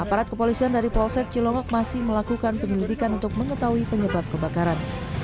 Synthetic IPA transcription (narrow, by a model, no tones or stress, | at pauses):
ʔapaɾat̪kəpolisiandaɾipɔlsɛt̪̚t͡ʃilɔŋɔk̚masɪhməlakukanpəɲilidikanunt̪ʊk̚məŋət̪auipəɲəbap̚kəbakaɾan